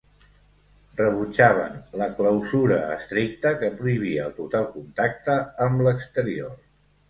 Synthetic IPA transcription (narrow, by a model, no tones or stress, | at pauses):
rrəβ̞ut͡ʃaβ̞ə̰nləkləwzuɾəːst̪ɾik̚t̪əkəpɾuiβ̞iəːlˠt̪ut̪alˠkunt̪ak̚t̪əːmləkst̪əɾior